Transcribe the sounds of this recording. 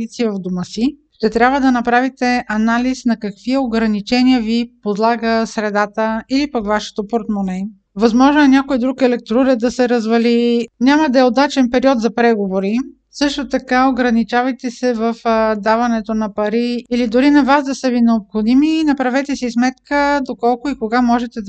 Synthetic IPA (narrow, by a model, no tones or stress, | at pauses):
it̪sivɐvd̪uməsiʃt̪ɛt̪ɾʲabvəd̪ɐnɐpɾavit̪ɛʔɐnalisnɐkɐkviəoɡɾɐnit͡ʃɛniəvipod̪lˠaɡəsɾɛd̪at̪əilipəkvaʃɛ̥t̪opoɾt̪monɛ | vɐzmɔʒnoɛnʲjakoid̪ɾukɛlɛk̚t̪ɾuɾɛd̪ɐsɛɾɐzvɐlinʲamɐd̪ɐɛod̪at͡ʃɛnpɛɾiɔt̪zɐpɾɛɡovoɾi | sɤʃt̪ot̪ɐkaoɡɾɐnit͡ʃavɐjt̪ɛsɛvəfd̪avɐnɛt̪onɐpɐɾiːlid̪ʊɾinɐvazd̪ɐsəvinɛopxod̪iminɐpɾɐvɛt̪ɛsiismɛt̪kəd̪okɔlˠkʊikoɡamɔʒɛt̪ɛ